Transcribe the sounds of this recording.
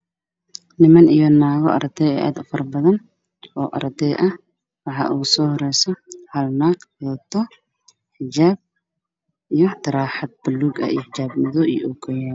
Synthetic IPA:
nɪmɐnijɔnaːɣɔ̰ʔɐ̰ɾd̪ɛɛːʔaːd̪ʊfɐrbɐðɐn | ʔɔːʔɐ̰ɾd̪ɛːʔɐh | wɑħɑ̰ʔuːsɔːhɔɾɛjsɔhɐlnaːɡɔt̪ʰɔ | ħɪt͡ʃaːb̚ | ijɔt̪ʰɐɾaːħɑd̪̚bʊlːuːɡɐ̰ḭjħɪt͡ʃaːbmɪðɔʔḭjuːkʰɐjɐ

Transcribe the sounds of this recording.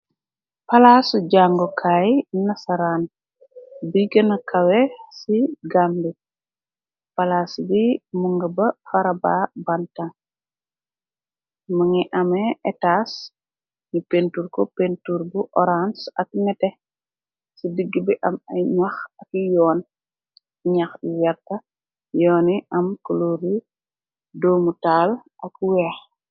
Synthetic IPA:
pɐlaːsuɟaːŋɡɔkʰaːjnɐsaɾaːn | biɡɐnɐkʰɐwesiɡambi | palaːsbimuŋɡɐbɐfaɾabaːbanta | mɐŋiʔɐmeʔɛtas | ɲipentuɾkɔpentuɾbuʔɔɾansɐkmɛtɛ | sidiɡːibiʔɐmɐjɲaxɐkijɔːn | ɲɐxijɐrtɐ | jɔːniʔɐmkoloɾi | dɔːmutaːlʔɐkwɛːx

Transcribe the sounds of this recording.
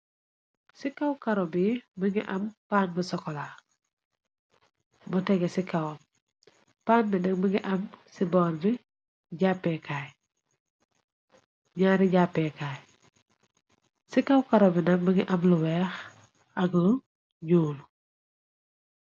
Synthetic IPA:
sikawkaɾɔbibiŋiʔɐmpaːnbisɔkɔla | butɛɡesikaw | paːnbinɐk̚biŋɡiʔɐmsibɔːɾbi | ɟaːpːɛkaːj | ɲaːɾiɟapːɛkaːj | sikawkaɾobinɐk̚biŋɡiʔɐmluwɛx | ɐɡə | ɲuːlu

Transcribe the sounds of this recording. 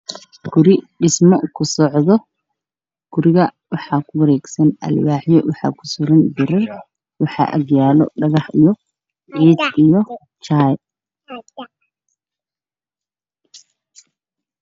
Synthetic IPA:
ɡ̥ʊɾɪɖɪsmɔkʰʊsɔʕðɔ | ɡ̥ʊɾɪɣɐwɑħɑkʰʊwɐɾɛːɡsɐnʔɐ̰lwaːħjɔwɑħɑ̰ːkʰʊ̥sʊlɐnbɪɾɐr | wɑħɑ̰ːʔɐ̰ɡjaːlɔ̰ɖɐɣɑħijɔ | ʕiːdijɔ | t͡ʃaːj

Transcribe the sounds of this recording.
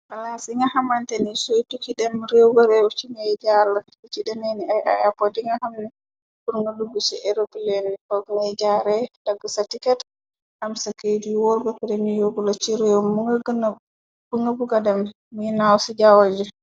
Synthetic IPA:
walasiŋɡahamantɛnisojtukiɗɛmɾɛwɡɔɾɛwt͡ʃiŋajd͡ʒala | ut͡ʃiɗɛmeniaja̰japɔdiŋɡahamni | kuɾŋɡaduɡusɛʔɛɾobilenkɔɡŋajd͡ʒaɾɛd̥aɡːɔsatikɛt | ʔamsakejdiwɔɾbɛpɛdɛmijoɡulat͡ʃiɾɛɔmuŋɡ | b̥uŋɡabuɡadɛmː | inawsid͡ʒawad͡ʒɛ

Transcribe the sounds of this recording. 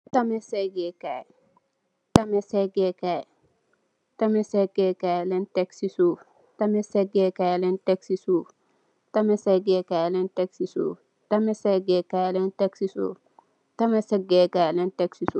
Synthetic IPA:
tamɛsɛɡɛkaj | tamɛsɛɡɛkajɛ | tamɛsɛɡɛkajlɛntɛksisoː | tamɛsɛɡɛkajlɛntɛksisu | tamɛsɛɡɛkajlɛntɛksiso̰ː | tɐmɛsɛɡɛkajlɛntɛksiso̰ː | tamɛsɛɡɛkalɛntɛksiso

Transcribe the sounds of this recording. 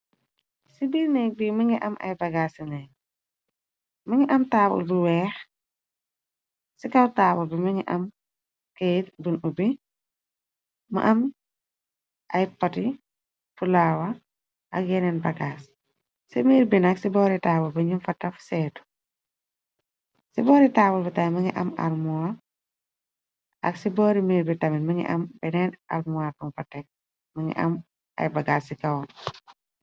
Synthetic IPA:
sibiɾnɛk̚bimɐŋiʔɐmɐ̰jbɐɡaːsinɛ | mɐŋiʔɐmtaːbṵlbuwɛːx | sikɐwtaːbɔbimɐŋiʔɐm | kejtbunubi | mɐ̰ʔɐm | ʔɐjpɐti | fulawɐ | ʔɐk̚jɛnɛnbɐɡaːs | simiːɾbinɐksibɔːɾitaːbulbɐɲumfɐtːɐfsɛːtu̥ | sibɔːɾitaːbulbɐtajmɐŋḭʔɐ̰mɐ̰rmua | ʔɐ̰ksibɔːɾimiːɾbitɐminmɐŋḭʔɐ̰mbɛnɛnɐ̰ɾmuwatuŋfɐtɛk̚ | mɐŋḭʔɐ̰m | ʔɐ̰jbɐɡaːsːikɐwɐ

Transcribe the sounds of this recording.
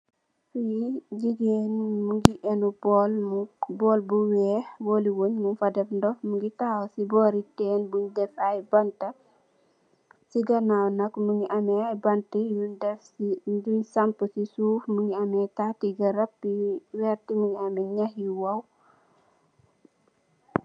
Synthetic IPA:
fiɟiɡeːnmuŋɡiʔɛnubɔːlmubɔːlbuwɛːhwɔːliwoɲmunfɐdɛfndɔfmuŋɡitaːwsibɔːɾitɛːnbuɲdɛfajbɐntɐ | siɡɐnawnɐkmuŋiʔɐmɛajbɐntijundɛfsid͡ʒuɲsɐmpəsisuːfmuŋiɐmɛtatiɡɐɾɐpːiwɛːrtimuɡiɐmɛɲahjiwɐw

